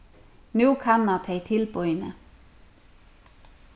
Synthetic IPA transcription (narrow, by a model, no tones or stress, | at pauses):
nuːkʰɑnːɑt̪ʰeɪt̪ʰɪlbɔʏnə